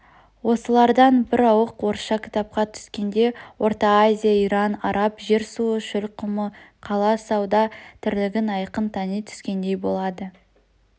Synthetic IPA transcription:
wo̞səlˠɑɾd̪ɑnbɪɾɑwəqwo̞ɾʃɑkʲʰɪ̥t̪ɑp̚qɑt̪ʰʏ̥skʲe̞nd̪e̞wʔo̞ɾt̪ɑazʲijaijɾɑnɑɾɑpʒe̞ɾsuəʃʏlqʰʊməqʰɑlˠɑsɑwd̪ɑt̪ʰɪɾlɪɡʲɪnɑjqənt̪ʰɑnijt̪ʰʏ̥skʲe̞nd̪e̞jbo̞lˠɑd̪ə

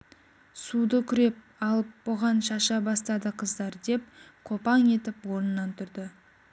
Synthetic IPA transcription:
sud̪əkʲʰʏɾe̞p̚ɑlˠəp̚boʁɑnʃɑʃɑbɑst̪ɑd̪əqʰəzd̪ɑɾd̪e̞p̚qʰo̞pɑɴe̞t̪ɪpwo̞ɾnənɑnt̪ʰʏɾd̪ɪ

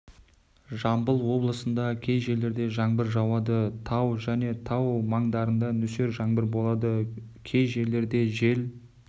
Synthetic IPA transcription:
ʒɑmbəlˠwo̞blˠəsənd̪ɑkʲʰe̞jʒe̞le̞ɾd̪e̞ʒɑɴbɪɾʒɑwɑd̪ət̪ʰɑwʒæne̞t̪ʰɑwmɑɴd̪ɑɾənd̪ɑnʏse̞ɾʒɑɴbɪɾbo̞lˠɑd̪ə | kʲʰe̞jʒe̞lːe̞ɾd̪e̞ʒe̞l

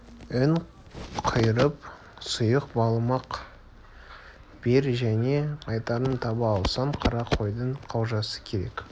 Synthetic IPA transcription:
ɪn | qʰəjɾəp̚ | sʊjəqbɑlˠmɑq | b̥eɾʒæne̞ɑjt̪ɑɾənt̪ʰɑbɑːlˠsɑɴqʰɑɾɑqʰo̞jd̪əɴqʰɑwʒɑsə̥kʲʰeɾe̞̰k

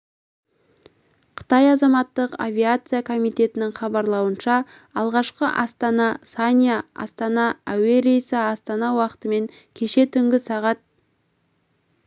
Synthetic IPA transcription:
qʰə̥t̪ɑjɑzɑmɑt̪ːəqa̰vʲiat̪sɨjakʰo̞mijt̪e̞t̪ɪnɪŋχɑbɑɾlˠɑwənʃɑ | ɑlˠʁɑʃqəʔɑst̪ɑnɑsanʲjaɑ̰st̪ɑnɑæwe̞ɾejsɪɑst̪ɑnɑwɑqə̥t̪əme̞ŋ | kʲʰe̞ʃe̞t̪ʰʏŋɡʲɪsɑʁɑt̪̚

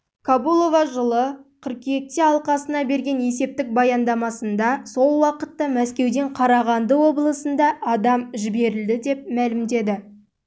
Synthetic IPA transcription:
kʰabulˠo̞vɑʒəlˠəqʰəɾqjek̚t̪eɑlˠqɑsənɑbe̞ɾɡʲe̞ne̞se̞p̚t̪ɪk̚bɑjɑnd̪ɑmɑsənd̪ɑso̞lˠwɑqə̥t̪ːɑmæskʲe̞wd̪e̞ɴqʰɑɾɑʁɑnd̪əwo̞bəlˠəsənd̪ɑʔɑd̪ɑmʒɪbe̞ɾɪld̪ɪd̪e̞p̚mælɪmd̪e̞d̪ɪ

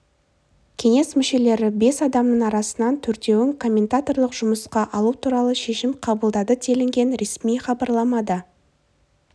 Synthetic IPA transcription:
kʲʰe̞ŋe̞smʏʃe̞le̞ɾɪbe̞sɑd̪ɑmnəɴɑɾɑsənɑnt̪ʰʏɾt̪e̞wɪŋkʰo̞mʲːe̞nt̪at̪o̞rlˠəqʒ̥ʊməsqɑʔɑlˠut̪ʰuɾɑlˠəʃe̞ʃɪmqʰɑbəlˠd̪ɑd̪ət̪ʲʰe̞lɪŋɡʲe̞nɾe̞smijχɑbɑɾlˠɑmɑd̪ə

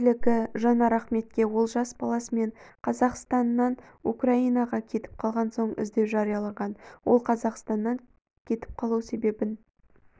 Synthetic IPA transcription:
lɪkʲɪʒɑnɑɾɑχme̞t̪̚kʲe̞wo̞lˠʒɑsbɑlˠɑsəme̞ɴqʰɑzɑqst̪ɑnːɑn | ukrɑijnɑʁɑkʲʰe̞t̪ɪ̥p̚qʰɑlˠʁɑnso̞ɴɪ̰zd̪e̞wʒɑɾijɑlˠɑɴʁɑnwo̞̰lˠqʰɑzɑqst̪ɑnːɑŋ | kʲʰe̞t̪ɪ̥p̚qʰɑlˠuwse̞be̞bɪn

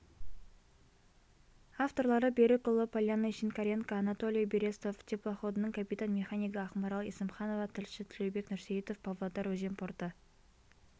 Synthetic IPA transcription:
aft̪o̞rlˠɑɾəbʲeɾɪkʊlˠəpalʲjanːəʃinkaɾʲeŋkaːnat̪o̞lʲijbeɾʲe̞st̪oft̪ʰeplˠoχo̞d̪ənəɴkʲʰapʲit̪anmʲe̞χanʲijɡəɑχmɑɾɑlˠḭsəmχɑno̞vɑt̪ʰɪlʃɪt̪ʰʏlʲejbe̞knʏɾsejit̪o̞fpavlˠod̪ɑɾwɵʒempʰort̪ə

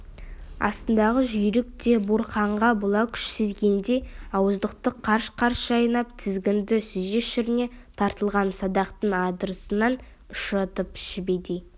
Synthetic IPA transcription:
ɑ̰st̪ənd̪ɑʁəʒʏjɾɪk̚t̪e̞buɾqɑɴʁɑbolˠɑwkʲʰʏ̥ʃsɪzɡʲe̞nd̪e̞jɑwəzd̪əq̚t̪əqʰːɑɾʃqʰɑɾsʒɑjnɑpt̪ʰɪzɡʲɪnd̪ɪsyʒe̞ʃɪɾɪne̞t̪ʰɑɾt̪əlˠʁɑnsɑd̪ɑqt̪əɴɑd̪əɾəsənɑn | ʊʃɑt̪əpʃɪbed̪e

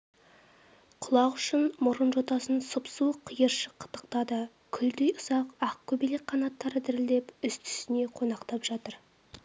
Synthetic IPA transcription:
qʰʊlˠɑqʏʃɪnmʊɾənʒot̪ɑsənsʊpsuqʰəjəɾʃəqʰːə̥t̪ə̥q̚t̪ɑd̪ə | kʲʰʏld̪e̞jʊz̥ɑqɑq̚kʲʰɵbelek̚qʰɑnɑt̪ːɑɾəd̪ɪɾɪld̪epʏst̪ʰʏ̥sɪne̞qʰo̞nɑqt̪ɑpʒɑt̪əɾ

